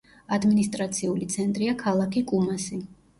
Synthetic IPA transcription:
ad̪minist̪ʼɾat̪sʰiulit̪sʰɛnt̪ʼɾiakʰalˠakʰikʼumasi

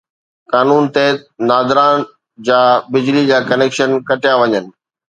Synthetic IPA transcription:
kaːnuːnt̪eːt̪naːd̪ɾãːn | d͡ʑaːbɪd͡ʑlid͡ʑaːkɐneːkʃənkɐʈɪjaʋɐɲənɪ̆

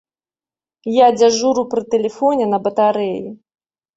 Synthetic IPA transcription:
jad͡zʲaʐuɾupɾɨt̪ɛlʲɛfɔnʲɛnɐbɐt̪aɾɛji

